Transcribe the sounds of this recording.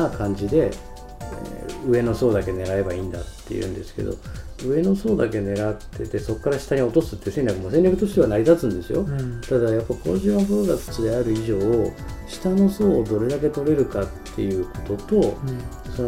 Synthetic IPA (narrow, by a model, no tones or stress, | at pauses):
akãɲ̟d͡ʑid̪e̞ | ḛɯ̟e̞no̞so̞ːd̪ake̞ne̞ɡae̞baĩːnd̪a̰t̪ʰːe̞̰jɯ̟̰̃nd̪e̞sɨ̥ke̞̰d̪o̞̰ɯ̟e̞no̞so̞ːd̪ake̞ne̞ɡat̪ːe̞t̪e̞so̞kːaɾaɕi̥t̪aɲ̟io̞t̪o̞sɨ̥t̪ːe̟se̞ɲʲɾʲjakɯ̟mo̞seɲʲjakɯ̟t̪o̞ɕi̥t̪e̞βanaɾʲid̪at͡sɨ̃nd̪e̞sɨjo̞̰t̪ad̪ajapːaiko̰ʑĩaboɾoɡasɨ̥t͡sid̪eaɾɯ̟iʑo̞ːɕi̥t̪ano̞so̞ːd̪o̞ɾe̞d̪ak̬e̞t̪o̞ɾe̞ɾɯ̟kat̪ʰːe̞̰jɯ̟ːko̞̥t̪o̞t̪o̞ | so